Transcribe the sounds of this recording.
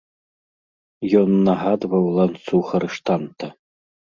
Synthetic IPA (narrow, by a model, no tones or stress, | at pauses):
jɔnːɐɦad̪vɐwlˠant̪suxɐɾɨʂt̪ant̪ɐ